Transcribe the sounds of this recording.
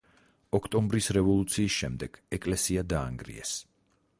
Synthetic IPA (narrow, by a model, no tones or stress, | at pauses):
ɔkʰt̪ʼɔmbɾisɾɛvɔlˠut̪sʰiːsʃɛmd̪ɛɡ̥ɛkʼlɛsiad̪aːŋɡɾḭɛ̰s